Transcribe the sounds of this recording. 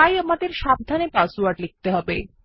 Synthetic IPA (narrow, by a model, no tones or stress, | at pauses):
ajamad̪eɾʃab̚d̪ʱanepasuaʈlik̚t̪eɦɔbe